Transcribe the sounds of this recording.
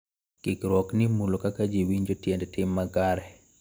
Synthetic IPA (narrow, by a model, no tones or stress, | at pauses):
kikɾwɔknimulokakad͡ʒiwiɲd͡ʒotjɛndɛtɪmːakaɾɛ